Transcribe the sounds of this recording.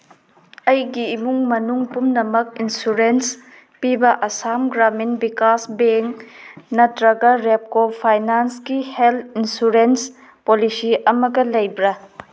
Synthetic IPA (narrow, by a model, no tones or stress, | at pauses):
ɐjɡiːmuŋmɐnuŋpumnɐmɐkinsuɾens | pibɐʔɐsamɡɾaminbikasbeŋnɐtɾɐɡɐɾep̚kopʰajnansɡihelʰinsuɾens | polisiɐmɐɡɐlɐjbɾɐ